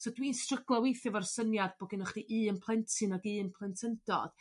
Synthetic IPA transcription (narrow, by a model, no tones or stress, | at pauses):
sodwiːnstrəɡlˠawejθjɔvarsənjadbɔɡɪnəχd̥iʔɨːənpʰlˠɛntʰɨnaɡɨːənpʰlˠɛntʰəndɔ̰d̥